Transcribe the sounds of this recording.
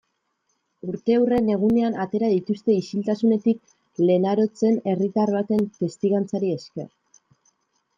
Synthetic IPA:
uɾt̪e̞ːwre̞ne̞ɣ̞une̞anat̪e̞ɾaðit̪ust̪e̞isilt̪asune̞t̪ik̚ | le̞naɾo̞t͡se̞ne̞rit̪arβat̪e̞nfe̞st̪iɣant͡saɾie̞ske̞̰r

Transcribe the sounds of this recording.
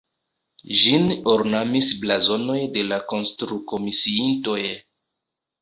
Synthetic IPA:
ʒinoɾnamisblazo̞no̞jde̞lako̞nstɾuko̞misiinto̞j

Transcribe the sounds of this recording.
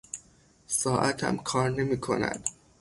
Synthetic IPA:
sɒːʔæt̪ʰæ̰mkʰɒːɾne̞miːkʰo̞̰næ̰nd̪̥

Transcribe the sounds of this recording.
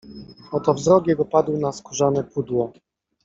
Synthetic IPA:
ɔt̪ɔvzɾɔkjɛɡɔpad̪wnaskuʐanɛpud̪wɔ

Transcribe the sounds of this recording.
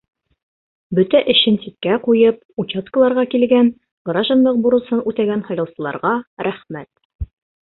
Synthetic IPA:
bɵt̪æʔɘ̆ɕɘnsit̪̚kæqujɤp̚ | ut͡ɕaskə̆lˠɑɾʁɑkilɡæn | ɡɾɑʒɑ̆nlˠɤq̚buɾɤ̆sɤnʉt̪æɡænhɑ̆jɾɤ̆lˠsɤ̆lˠɑ̰ɾʁɑɾæχmæt̪

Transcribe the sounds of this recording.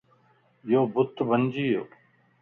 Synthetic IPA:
joːbʊt̪bənd͡ʒiːjoː

